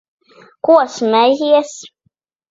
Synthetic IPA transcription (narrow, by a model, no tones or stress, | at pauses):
kuɔsmɛjiɛs